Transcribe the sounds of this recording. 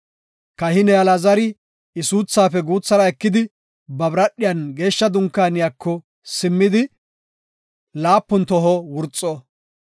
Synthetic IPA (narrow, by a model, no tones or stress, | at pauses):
kɐhɪnɛɐlɐzɐɾɪ | ɪsuːt͡sːaːpɛɡuːt͡sːɐɾɐɛkːɪd̪ɪ | bɐbɾɐɗːɪjɐnɡe̞ːʃːɐd̪ʊŋkːaːnɪjaːkːɔ | sɪmːɪd̪ɪ | laːpːʊnt̪ɔɦɔwʊɾt͡sʼːɔ